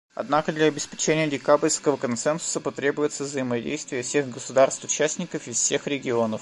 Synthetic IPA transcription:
ɐ̰d̪nakəd̪lʲɐɐbʲɪspʲɪ̥t͡ɕenʲɪjədʲɪkabɪɾʲskəvəkɐnt̪sɛnsʊ̥səpɐt̪ɾʲe̞bʊjɪt̪səvzəjɪmɐdʲḛjst̪vʲɪjəfsʲexɡəsʊd̪arst̪ʊt͡ɕæsʲnʲɪkəfɪfsʲe̞xɾʲɪɡʲɪo̞nəf

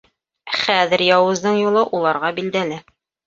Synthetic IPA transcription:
χæðɘ̆ɾjɑwɤ̆zd̪ɤɴjulˠɤʔulˠɑɾʁɑbild̪ælɘ

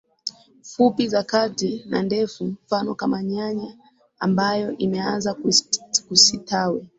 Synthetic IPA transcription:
fupizakatina̰ndɛfum̩fanɔkamaɲaɲa | ambajɔʔimɛanzakkusitawɛ

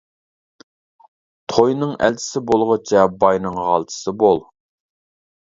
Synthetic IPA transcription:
t̪ʰojnɨŋæ̰lt͡ʃʰɪ̥sɪbolˠʁət͡ʃʰɛbɑjnɨŋʁɑ̰lˠt̪ʰɨ̥sɨbolˠ

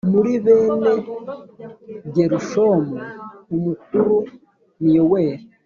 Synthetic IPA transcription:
muɾiβeːne | βɟeɾuʃomoumuk̚uɾu | nijoweːɾe

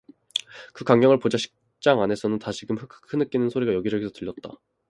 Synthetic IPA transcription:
kɯkwaŋɡjʌŋɯɭpod͡ʑaɕʰi̥k̚ | t͡ɕ͈aŋane̞sʰʌnɯntaɕʰikɯmɸɯkʰɯ̥kʰːɯnɯk͈inɯnsʰoɾiɡajʌɡid͡ʑʌɡisʰʌtɯʎːjʌt̚t͈a̰

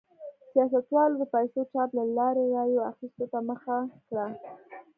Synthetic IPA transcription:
sijɑsat̪wɑlod̪əpajsoʈ͡ʂɑplalɑɾeɾɑjoaxist̪ot̪aməxakɽa

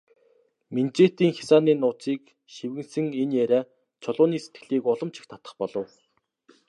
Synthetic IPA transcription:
ment͡ɕeːt̪iːŋxʲḁsaːniːnʊːt͡siːk | ʃiwɣɘ̆nsɘ̆ŋenjæɾʲæː | t͡ɕʰɔɮʊːniːset̪̚ɡɘ̆ɮiːkʊɮɞ̆mt͡ɕʰɪ̥̆xt̪ʰḁt̪ə̥̆χpɔɮɞ̆w

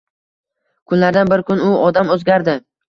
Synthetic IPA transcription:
kʰʊnlaɾd̪anbɪɾkʰʊnʊɒd̪amɵzɡʲaɾd̪ɪ

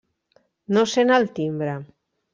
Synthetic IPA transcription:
nosenalt̪imbɾa

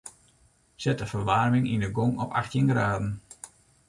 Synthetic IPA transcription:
sɛtəfərʋarmɪŋinəɡoŋɔpa̰xtjɪnɡraːdən̩

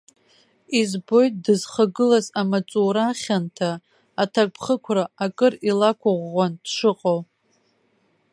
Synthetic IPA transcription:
izbo̞jt̚ʼdɨzχaɡɨlazamat͡sʼuɾaχʲantʰaː | tʰak̚ʷʼpʰχəkʷʰraakʼɨrilakʷʰaʁʷːand̥ʂɨqʼow

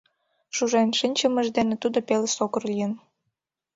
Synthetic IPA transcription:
ʃuʒenʃənʲt͡ɕə̆mə̆ʒd̪enĕt̪ud̪opeləsokə̆rlʲijə̆n

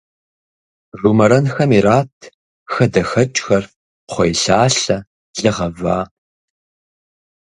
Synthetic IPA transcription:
rumɐɾɐnxɐmiɾaːtʰ | xɐdɐxɐt͡ʃʼxɐr | χʷɔjɬaːɬɐ | zɐʁɐvaː

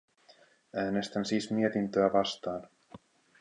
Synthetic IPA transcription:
æːne̞st̪ænsiːsmie̞t̪int̪øæʋɑst̪ɑːn

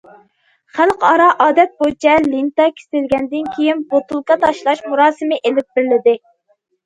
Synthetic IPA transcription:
χælˠqɑɾɑʔɑːd̪ɛt̪̚bot͡ʃʰɛlint̪ɑkʲʰe̥sɪlɡʲɛnd̪ɪnkʲʰejinbot̪ulˠkɑt̪ʰɑʃlˠɑʃmuɾɑːsɨmɪʔelɪp̚b̥ɪɾlɪd̪ɪ

